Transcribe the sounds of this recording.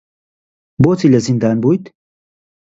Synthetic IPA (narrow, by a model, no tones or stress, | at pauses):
bot͡silɐzind̪aːnbujt̪